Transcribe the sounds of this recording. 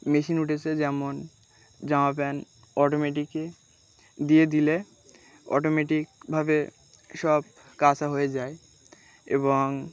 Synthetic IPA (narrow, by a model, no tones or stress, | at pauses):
meʃinuʈʰet͡ɕʰed͡ʑɛmon | d͡ʑamap̬ɛn | ɔʈomeʈikːe | d̪ijed̪ile | ɔ̰ʈomeʈikbʱabe | ʃɔb | kat͡ɕaɦoed͡ʑae | ḛboŋ